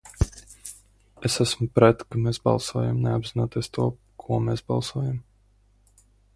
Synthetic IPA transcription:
esæsmupɾɛt̪kameːsbɑ̰lˠsuɔjamneabzinuːt̪iɛst̪uɔ | kʰuɔmesbɑ̰lˠsuɔjam

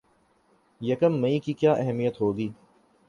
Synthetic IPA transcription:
jəkəmːə̃ĩːkikjaːʔɛɦɛmijət̪ɦoːɡiː

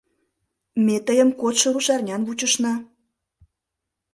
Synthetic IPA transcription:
met̪əjə̆mkot̪ʃə̆ɾuʃɑrnʲɑnβut͡ɕəʃnɑ

